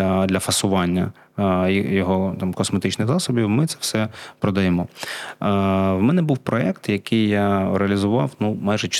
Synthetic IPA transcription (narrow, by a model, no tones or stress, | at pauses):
ɐd̪lʲɐfɐsʊʋɑnʲːɐ | jjɔɦɔt̪ɑmkɔsmet̪ɪt͡ʃnɪxzɑsɔbʲiwmɪt̪sɛ̥wsɛpɾɔd̪ɐjemɔ | wmɛnɛbuwpɾɔɛkt̪jɐkɪjːaɾeɐlʲizʊʋɑwnumɑjʒɛt͡ʃ